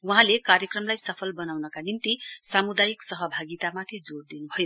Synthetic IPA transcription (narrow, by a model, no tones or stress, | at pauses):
wuɦãlekaɾjʌkrʌmlajsʌpʰʌlbʌnawnʌkanimt̪isamud̪ajiksʌɦʌbʱaɡit̪amat̪ʰid͡zoɽd̪inubʱʌjo